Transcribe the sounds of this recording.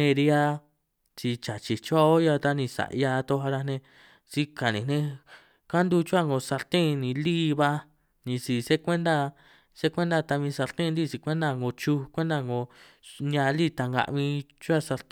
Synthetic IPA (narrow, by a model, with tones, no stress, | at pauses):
nẽ˧ɾi˧a˦ | t͡ʃi˧t͡ʃa˨t͡ʃi˨t͡ʃu˦a˦˧o˦ja˧t̪a˦nĩ˧sa̰˨ʔja˧t̪o˧ɦa˧ɾa˧nẽ˧ | si˧ka˨nḭ̃˨nẽ˧ | ka˦nd̪u˦˧t͡ʃu˦a˦ŋɡo˧sa˧ɾt̪ẽ˦˧nĩ˧liː˦βa˦ | nĩ˧si˨se˦kʷẽ˦nd̪a˧ | se˦kʷẽ˦nd̪a˧t̪a˧βĩ˧sa˧ɾt̪ẽ˦˧nd̪i˦˨si˧kʷe˦nd̪a˧ŋɡo˧t͡ʃu˧kʷe˦nd̪a˧ŋɡõ˧ | nã˧li˦t̪a˧ŋɡa̰˧ʔβĩ˧t͡ʃu˦a˦˧sa˧ɾt̪